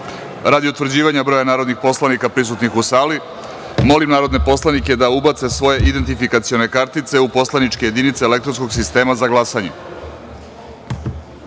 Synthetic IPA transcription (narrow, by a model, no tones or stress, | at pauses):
ɾad̪iut̪ʋɾd͡ʑiːʋaɲabɾo̞janaːɾo̞d̪nixpo̞slanikapɾis̬ut̪nixusaːli | mo̞limnaːɾo̞d̪ne̞po̞slˠanike̞d̪aubat̪se̞sʋo̞je̞ʔid̪e̞nt̪ifikat̪sio̞ne̞kaɾt̪it̪se̞upo̞slˠanit͡ʃke̞je̞d̪init̪seːlekt̪ɾo̞nsko̞ɡsist̪e̞ːmazaɡlˠasaɲe